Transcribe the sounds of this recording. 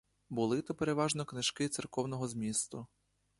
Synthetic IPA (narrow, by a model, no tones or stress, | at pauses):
bʊlˠɪt̪ɔpeɾe̞ʋɑʒnɔknɪʃkɪt̪serkɔwnɔɦɔzmʲist̪ʊ